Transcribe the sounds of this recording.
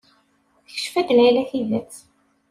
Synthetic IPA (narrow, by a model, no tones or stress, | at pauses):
θçə̥ʃfæd̪lʕilæθiðæt͡s